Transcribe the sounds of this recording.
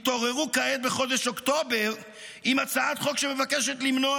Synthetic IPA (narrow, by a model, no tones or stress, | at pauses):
t̪o̞ʁeʁukaet̪̚beχo̞d̪eʃo̞kt̪o̞beʁ | imat͡saat̪χo̞kʃe̞me̞vake̞ʃe̞t̪limno̞